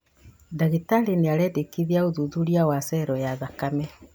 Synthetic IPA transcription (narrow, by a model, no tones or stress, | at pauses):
daɣitaleneaɾɛdekiðiaoðuðuɾiawasɛɾɔjaðakamɛ